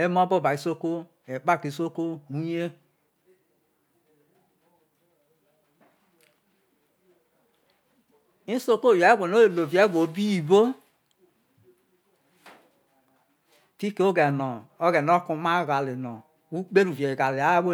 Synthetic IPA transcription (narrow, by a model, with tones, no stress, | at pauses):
e˦mo˦bo˦˨ba˨i˨˦so˦ko˦ | e˨k͡pa˦˨ki˨˦so˦ko˦u˦je˦ | i˦so˦ko˦˨ja˨˦ɡʷo˨no˦e˨lo˨vi˨e˨˦ɡo˨˦bi˦˨bo˦ | ti˦ke˦o˦ɡɛ˨no˨o˦ɡɛ˨no˦ku˨ma˦ɡa˨le˨no˨ | u˦k͡pe˦ɾu˨ve˨ɡa˨le˨a˨˦wo˦